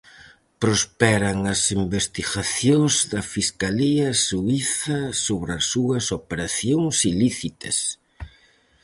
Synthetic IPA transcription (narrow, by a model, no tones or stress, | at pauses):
pɾospɛɾɐŋɐsimbest̪iɣaθjoŋzðɐfiskaliɐsuiθɐsoβɾɐsːuɐsopeɾaθjoŋsiliθit̪ɐs